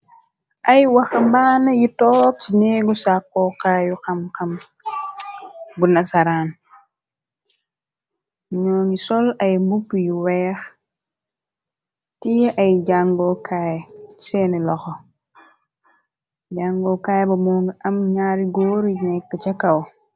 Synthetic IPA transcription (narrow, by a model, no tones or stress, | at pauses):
ʔɐjwɐxɐmbaːnɐjitɔːk̚t͡ʃinɛːɡusakːɔkaːjuxɐmkɐm | bunɐsaɾaːn | ɲɔːŋisɔlɐjmbupːjiwɛːx | tijʔɐjɟaŋɡɔkʰaːjsɛːnɛlɔxɔ | ɟaŋɡɔkaːjbɐmɔːŋɡiʔɐmɲaːɾiɡɔːɾnɛkːət͡ʃɐkɐw